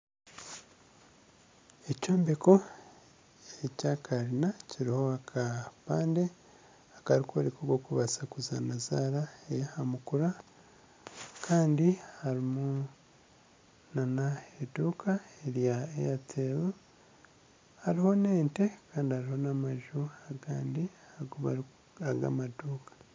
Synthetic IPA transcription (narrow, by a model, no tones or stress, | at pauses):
ecoːmbeko̞ | ecakʰaɾinaciɾiho̞akʰapaːnde | akaɾikoɾikoɡokuβasakuza̰nazaːɾaejahamukuɾa | kʰaːndihaɾimu | nanaeduːkʰaeɾjaḛjatʰeβu | haɾiho̞neːnte̞kaːndihaɾiho̞namaʒuaɡaːndi | aɡoβa̰ɾ | aɡa̰maduːkḁ